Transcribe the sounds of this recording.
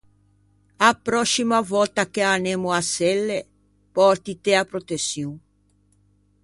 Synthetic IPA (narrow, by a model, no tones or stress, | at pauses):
apːɾɔsːimavɔlt̪akeanemoasɛlːe | pɔɾt̪it̪eapɾot̪esːjuŋ